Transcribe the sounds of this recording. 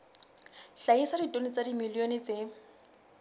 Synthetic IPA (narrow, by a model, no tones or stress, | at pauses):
ɬaisaditʼonɪt͡sadimiljonɪt͡se